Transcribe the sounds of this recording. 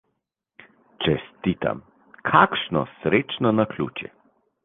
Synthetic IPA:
t͡ʃɛst̪iːt̪a̰m | kʰakʃnɔ̰sɾeːt͡ʃnɔnakʰlʲṵːt͡ʃjɛ̰

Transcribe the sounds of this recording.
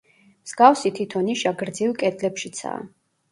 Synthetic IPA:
mz̥ɡafsit̪ʰit̪ʰɔniʃaɡɾd̪zilˠkʼɛd̪lɛpʃit̪sʰa̰ː

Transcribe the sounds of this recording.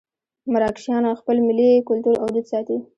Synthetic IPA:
maɾɑkʃjɑnaxpəlmɪlikʊlt̪uɾawd̪ud̪sɑt̪i

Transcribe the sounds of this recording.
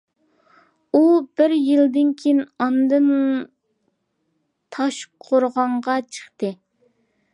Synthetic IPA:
ubɪɾjild̪ɪnkʲʰejinɑnd̪ɨn | t̪ʰɑʃqʰoɾʁɑɴʁɑt͡ʃʰə̥χt̪ɨ

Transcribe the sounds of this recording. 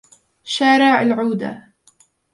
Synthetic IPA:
ʃaːɾˤaʕalʕuːd̪a̰

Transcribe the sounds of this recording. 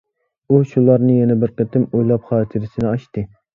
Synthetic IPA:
uʃulˠɑɾnɨjɛnɛbɪɾqʰət̪ɪmojlˠɑpχɑːt̪ʰɨɾɪsɪnɪɑʃt̪ɨ

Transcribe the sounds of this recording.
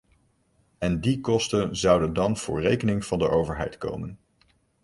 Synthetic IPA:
ɛndikɔstənzɑwdəndɑnv̥ʊ̰ːɹrejkənɪŋv̥ɑndəʔowvəɹɦɛ̰jtko̰wmən

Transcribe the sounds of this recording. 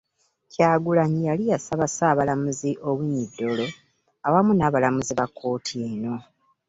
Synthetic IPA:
caːɡulaɲijalijasaβasaːβalamuziʔo̞βiɲːidːo̞lo̞ | awamunaːβalamuziβakʰːo̞ːtʰieno̞

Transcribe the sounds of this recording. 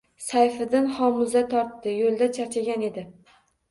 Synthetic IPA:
sajfɪd̪ɪnχɒmʊzat̪ʰɒɾt̪ːɪjolˠd̪at͡ʃʰaɾt͡ʃʰaɡʲane̞d̪ɪ

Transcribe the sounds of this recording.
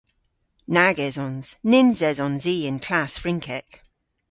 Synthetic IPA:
naɡɛzɔ̃nz̥nɪ̃nzɛzɔ̃nziːə̃nkʰl̥asfɹɪ̃ŋkʰɛk

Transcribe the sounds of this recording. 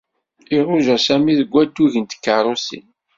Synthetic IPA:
iʁʊʒæsæmiðəɡʷːæt̪ːuʝənt̪kːəɾˤosḭn

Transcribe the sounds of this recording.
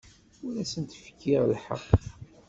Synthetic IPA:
uɾæsənt̪fə̥kːiʁlħə̰qː

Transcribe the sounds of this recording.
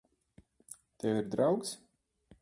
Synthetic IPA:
t̪ɛwiɾd̪ɾawks

